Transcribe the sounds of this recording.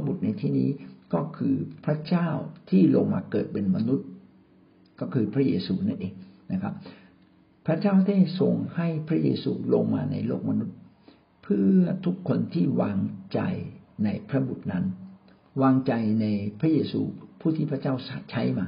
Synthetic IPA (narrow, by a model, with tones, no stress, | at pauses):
a˦˥bu˨˩t̪̚na˧jt̪ʰiː˥˩nḭː˦˥kɔː˥˩kʰɯː˧pʰɾa˦˥t͡ɕaː˥˩wt̪ʰiː˥˩loː˧ŋma̰ː˧kɤː˨˩t̪̚pe˧nma˧nu˦˥t̪̚ | kɔː˥˩kʰɯː˧pʰɾa˦˥jeː˧suː˧na˦˥˩nʔeː˧˩ŋna˦˥kʰa˦˥p̚ | pʰːɾa˦˥t͡ɕaː˥˩wt̪ʰa˥˩so˨˩ŋha˥˩jpʰɾa˦˥jeː˧suː˧lo˧ŋma̰ː˧na̰˧jlo̰ː˥˩k̚ma˧nu˦˥t̪̚ | pʰɯ˥˩ɐt̪ʰu˦˥kʰːo˧nt̪ʰiː˥˩waː˧ŋt͡ɕa̰˧jna˧jpʰɾa˦˥bu˨˩t̪̚na˦˥n | waː˧ŋt͡ɕa˧jna˧jpʰɾa˦˥jeː˧sṵː˧pʰuː˥˩t̪ʰiː˥˩pʰa˦˥t͡ɕaː˥˩wa˦t͡ɕʰa˦˥jmaː˧